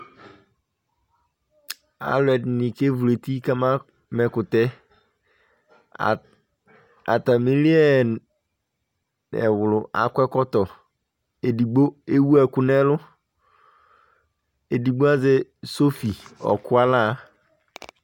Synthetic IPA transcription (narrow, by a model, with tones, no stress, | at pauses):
a̰˨lʊ˨˦ɛ˨dnĩ˨ke˦vu˨e˨ti˦ka˦mã˦ | mɛ˨kʊ˨tɛ˦˨ | a˨ta˨mĩ˦li˦ɛ˦n | ɛ̰˨wʊ˨lʊ˨ʔa̰˨kɛ˦kɔ˦tɔ˨ | e˨di˨ɡ͡bo˦e˦wu˦ɛ˨kʊ˨nɛ̃˦lʊ˦ | e˨di˨ɡ͡bo˦a˦zɛ˦so˦fi˨ɔ̰˨kʊ˦a˦la˦˨